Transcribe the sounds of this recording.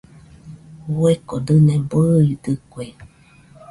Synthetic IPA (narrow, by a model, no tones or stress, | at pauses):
uekod̪ɨnẽbɨid̪ɨkʷe